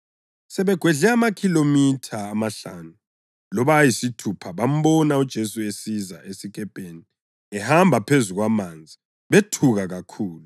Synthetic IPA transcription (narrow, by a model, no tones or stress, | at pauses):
sɛβɛɡ̥ʱweɮɛamakʰilomitʰaːmaɬanu | lɔβaːjisitʰupʰaβam̩bɔnaud̥ʒ̥ʱesuesizaʔesikʼɛpʼeːni | ɛhambʱapʰezuɣwamaːnd͡zʱi | βetʰuɣaɣakʰuːlu